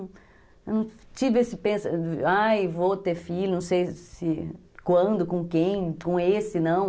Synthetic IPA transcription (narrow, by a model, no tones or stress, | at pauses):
wnɐ̃w̃ | t͡ʃivɪesɪpẽsɐajvot̪eɾfilʊnɐ̃w̃sejsɪ | kwɐ̃nd̪ʊkõkẽj̃kõesɪnɐ̃w̃